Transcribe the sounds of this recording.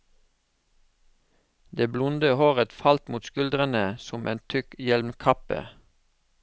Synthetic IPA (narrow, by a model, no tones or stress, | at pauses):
d̪eːblʊnd̪əhoːʁət̪fɑlt̪muːt̪skʉld̪ʁənəsɔmʔḛːnt̪ʰʏkjɛlmkʰɑpə̰